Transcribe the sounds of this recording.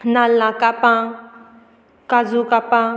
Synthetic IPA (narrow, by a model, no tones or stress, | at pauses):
nalːãkapã | kazukapã